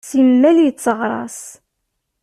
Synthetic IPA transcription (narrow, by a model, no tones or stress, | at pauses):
sinmælijət͡sːəʁɾˤɑ̰s